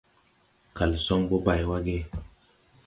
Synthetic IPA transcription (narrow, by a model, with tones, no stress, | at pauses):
ka˨lsɔ˦ŋbo˦ba˨jwa˦ɡe˦